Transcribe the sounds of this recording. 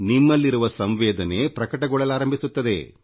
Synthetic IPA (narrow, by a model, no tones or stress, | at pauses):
nimːɐlːiɾuʋɐsɐmʋɛːd̪ɐne̞ːpɾɐkɐʈɐɡɔɭɐlaːɾɐmbʱisut̪ːɐd̪e̞̰